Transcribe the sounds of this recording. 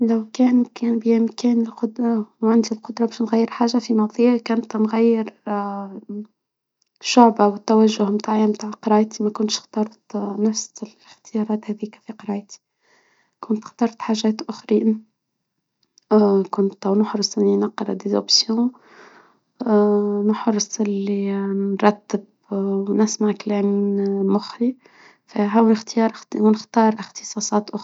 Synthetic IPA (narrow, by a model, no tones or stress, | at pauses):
læwkɛːnkæːnbiʔɪmkɛːnɪlqʊd̪ɾˤɑwʕɪnd̪ilqʊd̪ɾˤɑbɛːʃnɣæjːəɾħaːʒːafinɑðˤiakæːnt̪nɣæjːɪɾ | ʃʊʕbawɪt̪ːæwæʒːʊhmt̪aːʕimt̪aːʕqɾˤɑːʔt̪imækʊnt̪ʃxt̪ɑɾˤt̪næfslɪxt̪ɪjɑɾˤɑːt̪hæðiːkfiqɾˤɑːʔt̪i̥ | kʊnt̪xt̪ɑɾˤt̪ħaʒæːt̪ʔʊxɾi | kʊnt̪æwnʊħɾˤɨsˤɪlːinɑqːɑɾˤɑd̪ezo̰psjõ | nʊħɾˤsˤʔɪlːinɾˤɑt̪ːəb | wnɪsmaʕklɛːmːinmʊxɾi | fæɦæwnɪxt̪jɑːɾˤwnɪxt̪ɑːɾˤʔɪxt̪ɨ̥sˤɑːsˤɑːt̪ʔʊx